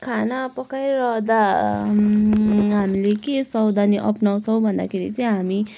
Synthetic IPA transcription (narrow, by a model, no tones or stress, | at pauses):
kʰanapʌkajɾʌɦd̪a | ɦamilekesʌwd̪aniʔʌpnaw̃t͡sʰʌw̃bʱʌnd̪a̰kʰeɾit͡sʌĩɦami